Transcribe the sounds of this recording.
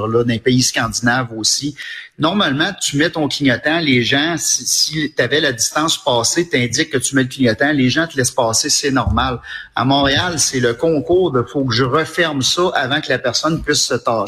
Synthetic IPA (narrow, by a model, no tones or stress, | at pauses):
lɔd̪ɛ̃peiskɑ̃d͡zinavosinɔʁmalmãt̪ymɛt̪ɔ̃kʰʲiɲɔt̪ɛ̃leːʒãsisit̪avɛladd͡zist̪ɑ̃ːspɑːset̪ɛ̃d͡zɪkːət̪ymɛləkʲiɲɔt̪ɛ̃leːʒãt̪əlɛspɑːsɪsɛnɔʁmala̰mɔ̃ːʁealsɛləkɔ̃ːkuːʁd̪əfokəʒəʁəfɛʁmsʌʔavãkəlapɛʁsɔnpɥɪsːət̪ɑː